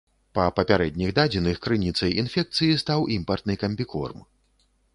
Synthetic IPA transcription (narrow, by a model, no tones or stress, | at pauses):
pɐpɐpʲaɾɛd̪ʲnʲiɣd̪ad͡zʲinɨxkɾɨnʲit̪sɐjʔinfʲɛk̚t̪sɨjist̪awʔimpɐrt̪nɨkɐmʲbʲikɔ̰rm